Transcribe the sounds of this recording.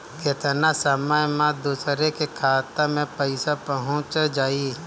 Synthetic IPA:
ket̪nasəməjmãd̪uːsɾekekʰaːt̪amẽpəɪsapəɦʊ̃t͡ʃd͡ʒaːiː

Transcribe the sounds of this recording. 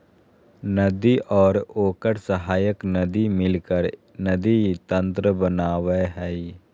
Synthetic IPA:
nəd̪iʔɔːɾoːkəɾsəɦaːjəknɐd̪imɪlkəɾ | nəd̪it̪ə̃nt̪ɾəbənaːweɦɛː

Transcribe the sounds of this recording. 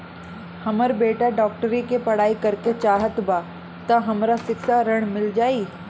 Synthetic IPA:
hɐməɾbeːʈaɖɔːk̚ʈəɾikepɐɽ̤aːikɐɾket͡ɕaːɦət̪ba | t̪ɐɦɐmɾasɪksaɾɐɽ̃mɪld͡ʑaːiː

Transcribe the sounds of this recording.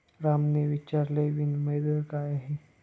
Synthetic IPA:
ɾamneʋit͡ʃaɾleʋinməjd̪əɾkajaɦe

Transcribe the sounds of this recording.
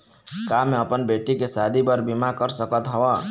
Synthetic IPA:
kameəpənbeʈikesad̪ʱibəɾbimakəɾsəkət̪ɦɔwɔ

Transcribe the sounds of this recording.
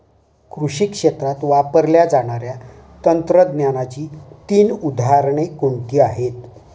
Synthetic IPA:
kɾuɕikʂet̪ɾat̪ʋapəɾljad͡zaɽ̃aɾja | t̪ənt̪ɾəd̪njanat͡ɕiːt̪iːnud̪ʱaɾɳekoɳʈ̪iːaɦet̪

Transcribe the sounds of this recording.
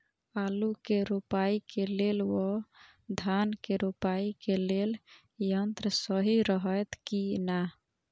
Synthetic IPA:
alukeɾupaikelelwɔ | d̪ʱankeɾupaikelel | jənt̪ɾəsəɦiɾəɦəjt̪kina

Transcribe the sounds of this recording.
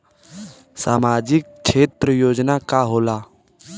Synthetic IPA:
saːmaːd͡ʒɪk̚ | ʃʰeːt̪ɾəjoːd͡ʒnakaɦoːlaː

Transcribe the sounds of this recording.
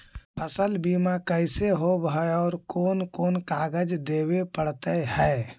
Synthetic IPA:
pʰəsəlbiːmakəɪseɦobɦəɔːɾkoːnkoːnkaːɡəd͡ʒd̪eːwepəɽt̪əhɛː

